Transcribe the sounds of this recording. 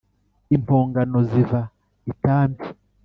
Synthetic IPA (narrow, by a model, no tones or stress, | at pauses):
impʰoːŋɡano̞ziva | itaːmbi